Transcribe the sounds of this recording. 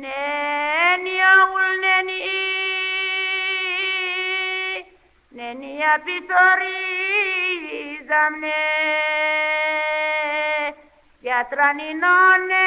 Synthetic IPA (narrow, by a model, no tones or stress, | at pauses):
nɛ | niaulnɛnii | nɛnijapisɔɾi | zamnɛ | jat̪ɾaninɔnɛ